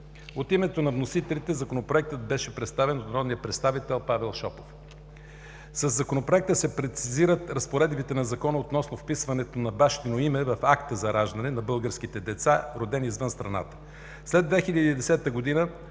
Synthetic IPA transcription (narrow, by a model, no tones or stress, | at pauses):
ot̪imɛt̪onɐvnosit̪ɛlit̪ɛzɐkonopɾoɛk̚t̪ət̪̚bɛʃɛpɾɛt̪st̪avɛnot̪ɾɔd̪nijəpɾɛt̪st̪avit̪ɛlˠpavɛlˠʃɔpof | sɐzːɐkonopɾoɛk̚t̪əsɛpɾɛt̪siziɾət̪ɾɐspoɾɛd̪bit̪ɛnɐzɐkɔnəot̪nɔsnofpisvɐnɛt̪onɐbaʃt̪inoimɛvɐfakt̪əzɐɾaʒd̪ɐnɛnɐbɤlˠɡəɾsk̟it̪ɛd̪ɛt̪saɾod̪ɛnizvənst̪ɾɐna̰t̪ə̥ | slɛd̪vɛxilʲəd̪id̪ɛsɛt̪əɡod̪inə